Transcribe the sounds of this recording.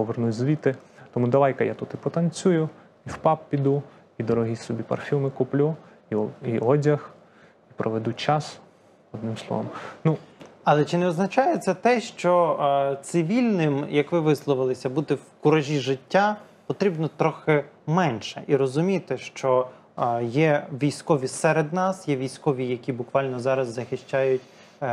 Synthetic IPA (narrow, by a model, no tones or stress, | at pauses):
pɔʋernutʲzʋʲit̪ɪt̪ɔmud̪ɐʋɑjkɐja̰t̪ut̪ipɔt̪ɐnt͡sʲujʊ | iwpɑppʲid̪u | id̪ɔɾɔɦisɔbʲipɐ̰rfʲimɪkʊplʲu | iiɔdʲɐx | ipɾʔɔʋɛd̪ut͡ʃɑs | ɔd̪nɪmslˠɔ̰ʋɔ̰mnuɐlˠɛt͡ʃɪnɛɔznɐt͡ʃajɛt̪sɛt̪ɛʃt͡ʃɔt̪sɪʋʲilʲnɪmjɐkʋɪʋɪslˠɔʋɪlˠɪsʲɐbut̪ɪwkʊɾɐʒʲiʒɪtʲːa | pɔt̪ɾʲibnɔt̪ɾɔxɪmɛnʃɛʔiɾɔzʊmʲit̪ɪʃt͡ʃɔ | jɛʋʲijsʲkɔʋʲisɛɾed̪nɑsjɛʋʲijsʲkɔʋʲijɐkʲibʊkʋɑlʲnɔzɑɾɐzːɐxɪʃt͡ʃajʊtʲ